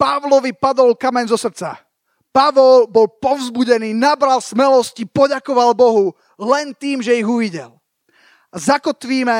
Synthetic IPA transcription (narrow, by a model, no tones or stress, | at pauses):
paʋlɔʋipad̪ɔlkamɛɲzɔsr̩t͡sa̰ | paʋɔlbɔlpɔʊzbuɟɛniːnabɾalsmɛlɔscipɔɟakɔʋalbɔɦu | lɛnt̪iːmʒɛiɣuʋiɟɛl | azakɔt̪ʋiːmɛ